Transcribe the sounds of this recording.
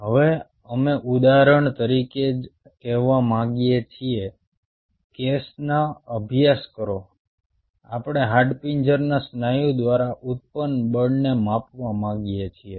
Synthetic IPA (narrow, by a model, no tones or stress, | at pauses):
ɦəʋe | əmeʔud̪aɾəɳt̪əɾiked͡ʒ | kɛʋamãɡijet͡ʃʰie | kesnaəbʱijaskəɾo | a̰pɽ̃eɦaɖpiɲd͡ʒəɾnasnajũd̪ʋaɾaʔut̪̚pənbəɽnemapʋamãɡijet͡ʃʰie